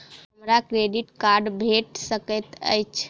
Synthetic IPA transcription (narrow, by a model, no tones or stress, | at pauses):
ɦəmɾakɾeɖiʈkaɾɖbʱeʈsəkət̪ə̰jt͡ʃʰ